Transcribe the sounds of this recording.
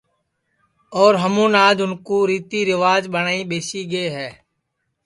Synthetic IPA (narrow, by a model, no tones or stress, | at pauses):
ɔːɾɦəmũːnaːd͡ʒʊnkoːɾiːt̪iːɾɪʋaːd͡ʒɓəɳaːĩːɓeːsiːɡeːɦɛː